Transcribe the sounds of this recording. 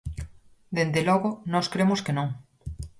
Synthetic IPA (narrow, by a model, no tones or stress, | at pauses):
d̪end̪elɔɣʊnɔskɾemʊskenõŋ